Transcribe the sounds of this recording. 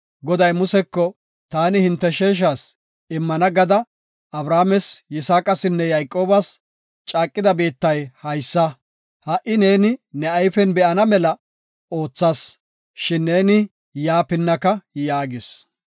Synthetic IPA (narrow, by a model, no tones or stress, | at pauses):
ɡɔd̪ɐjmʊsɛkːɔ | t̪aːnɪhɪnt̪ːɛʃeːʃ̬aːs | ɪmːɐnɐɡɐd̪ɐ | ɐbɾaːmɛsjɪsaːkʼɐsɪnːɛjɐjkʼo̞ːbɐs | t͡ʃʼaːkʼːɪd̪ɐbeːt̪ːɐjhɐjsːɐ | hɐʔɪne̞ːnɪnɛɐjfɛnbɛʔɐnɐmɛlɐ | o̞ːt͡sːaːs | ʃɪnːe̞ːnɪ | jaːpɪnːɐkɐjaːɡɪs